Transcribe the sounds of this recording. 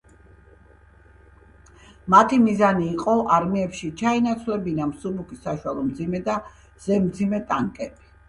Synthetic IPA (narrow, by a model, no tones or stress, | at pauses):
mat̪ʰimizaniːqʼɔʔaɾmiɛpʃit͡ʃʰainat̪sʰwlɛbinamsubukisaʃwalˠɔmd̪zimɛd̪a | z̥ɛmd̪zimɛt̪ʼaŋkʼɛb̥i